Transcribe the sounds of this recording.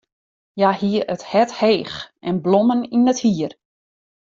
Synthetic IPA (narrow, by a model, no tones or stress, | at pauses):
jahiəəthɛtheːxʔɛnbloməninəthiər